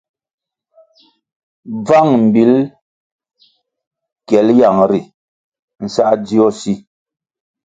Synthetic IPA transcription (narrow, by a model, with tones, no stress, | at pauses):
b͡va˦˨ŋm̩˨bi˨˦l | kjɛ˨˦lja˨ŋɾi˨ | n̩˨sa˦ʔd͡zi˦ɔ˦˨si˦